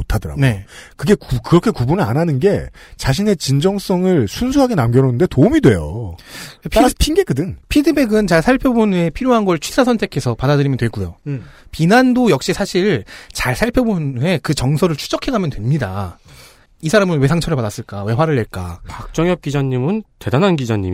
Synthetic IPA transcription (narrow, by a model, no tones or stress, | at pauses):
motʰadʌɾa̰ne̞kɯɡe̞kukɯɾʌkʰe̞kubunɯɭa̰nanɯnɡe̞ | t͡ɕaɕʰine̞t͡ɕind͡ʑʌŋs͈ʌŋɯɭsʰunsʰuɦaɡe̞namɡʲjʌɾonɯnde̞toumidwe̞jo̰ | pʰapʰinɡekɯdɯnpʰidɯbeɡɯnt͡ɕaɭsʰaɭpʰjobunepʰiɾjoɦanɡʌɭt͡ɕʰɥisʰasʰʌntʰe̞kʰe̞sʰʌpadadɯɾimʌntwe̞ɭɡujo̰ | pinandojʌkɕ͈isʰaɕʰiɭt͡ɕaɭsʰaɭpʰjobune̞kɯt͡ɕʌŋsʰʌɾɯɭt͡ɕʰu̥d͡ʑʌkʰe̞ɡamjʌntwe̞mɲida̰ | isʰaɾamɯnwe̞sʰaŋt͡ɕʰʌɾɯpadas͈ɯɭk͈awe̞ɦwaɾɯɭːe̞ɭk͈a̰pak̚t͡ɕ͈ʌŋjʌp̚k͈id͡ʑaɲːimɯnte̞danɦanɡid͡ʑaɲːḭm